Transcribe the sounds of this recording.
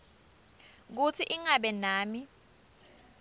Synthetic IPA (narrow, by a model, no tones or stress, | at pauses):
k̬ut͡sʰiʔiŋaɓɛnaːmi